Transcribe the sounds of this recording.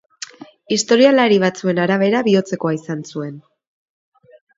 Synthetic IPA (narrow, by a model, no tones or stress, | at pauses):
ist̪o̞ɾialaɾiβ̞at͡sue̞naɾaβ̞e̞ɾaβio̞t͡se̞ko̞aisansue̞n